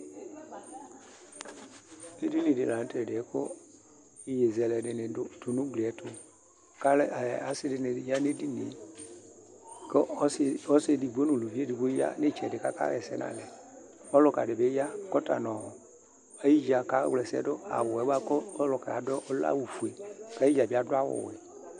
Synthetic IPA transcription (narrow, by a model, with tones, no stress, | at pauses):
e˦di˦nĩ˨dɪ˨lã˨n˦tɛ˨dɪ˨ɛ˨˦kʊ˦ | ɪ˨je˨zɛ˨lɛ˨dɪ˨nɪ˨dʊ˨nʊ̃˦ɡ͡bli˨ɛ˨tʊ˦ | ka˦la˨sɪ˦dɪ˨n˨ja˦ne˦di˦ni˨˦ | ksɔ˦sɪ˦di˨ɡ͡bo˦nʊ̃˨lo˨vi˦e˦di˨ɡ͡bo˦ja̰˦ne˦˨t͡ʃɛ˨dɪ˨ka˦ka̰˦ɣɛ̰˨sɛ̰˦nã̰˨lɛ˨ | ɔ˦lʊ˨ka̰˨dɪ˨be˦ja˦˨kɔ˦ta̰˨nɔ̃˨ʊ˨ | a˦ji˦d͡ʒa˨ka̰˦wlɛ˨sɛ̰˦dʊ˦a̰˨wʊ˨ɛ˨˦ba˦kɔ˦lʊ˨kɛ˨a˨dɔ˦ʔɔ˦la̰˦wu˨fu˨e˨ka˦i˦d͡ʒa˨bi˦˨a˨dʊ˦a˦wʊ̰˨wɪ̰˨